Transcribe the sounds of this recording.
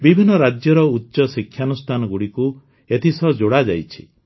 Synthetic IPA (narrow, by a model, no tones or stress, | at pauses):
bibʱinːɔɾad͡ʒjɔɾɔutːʃɔsikʰːjanust̪ʰanɔɡuɽiku | et̪ʰisɔd͡ʒoɽad͡ʒajt͡ʃʰi̥